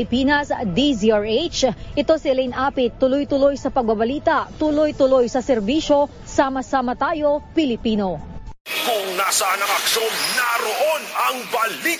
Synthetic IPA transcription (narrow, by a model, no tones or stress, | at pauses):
ɪpinɐsd̪iziaɹet͡ʃʔɪt̪o̞sɪlɛjnaːpɪt̪ːʊlojt̪ʊlojsɐpɐɡ̚bɐbɐliːt̪ɐʔt̪ulojt̪ʊlo̞jsɐsɛɾbiːʃo̞ | samɐsamɐt̪aːjo̞pɪlɪpiːno̞ | kʊŋnasɐnɐkɐksomnɐɾoʔonɐŋbali